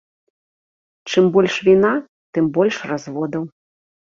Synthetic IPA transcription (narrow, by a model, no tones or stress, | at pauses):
t͡ʂɨmbɔlʲʂvʲina | t̪ɨmbɔlʲʂrazvɔd̪ɐw